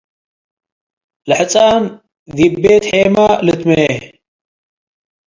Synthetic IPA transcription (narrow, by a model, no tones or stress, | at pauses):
lɨħɨt͡sʼaːn | ðibːet̪ħeːmalɨt̪mee